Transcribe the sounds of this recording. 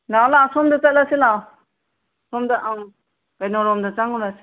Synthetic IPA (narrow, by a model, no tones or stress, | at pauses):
nawlaːsɔmdatalasilaw | sɔmdaʔaŋ | kajnɔɾɔmdat͡ʃaŋuɾas